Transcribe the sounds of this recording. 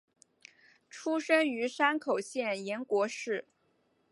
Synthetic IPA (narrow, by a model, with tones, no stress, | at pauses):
ʈ͡ʂʰu˥ʂɤ˥ŋy˧˥ʂa˥nkʰo˨˩ʊɕjɛ˥˩njɛ˧˥nkwɔ˧˥ʂɻ̩˥˩